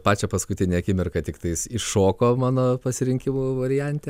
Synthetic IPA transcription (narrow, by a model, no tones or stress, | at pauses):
pɑːt͡ʃʲɛpɐskʊt̪ʲɪnʲeɐkʲɪmʲɪrkɐt̪ʲɪkt̪ɐɪsɪʃoːkoːmɑːnoːpɐsʲɪɾʲɪŋʲkʲɪmuːʋɐɾʲɪjænʲt̪ʲɛ